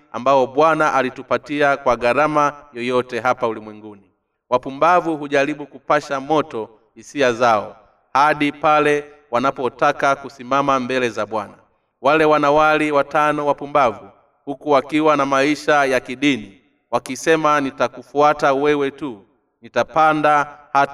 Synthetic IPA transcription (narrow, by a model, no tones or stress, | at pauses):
ambaɔɓwanaʔalitupatiakwaɡaɾamajɔjɔtɛɦapaulimwɛŋɡuni | wapumbavuɦuʄaɾiɓukupaʃamɔtɔ | hisiazaɔ | haɗipalɛ | wanapɔtakakusimamambɛlɛzaɓwana | walɛwanawaliwatanɔwapumbavu | hukuwakiwanamaiʃajakiɗini | wakisɛmanitakufuatawɛwɛtu | nitapandaha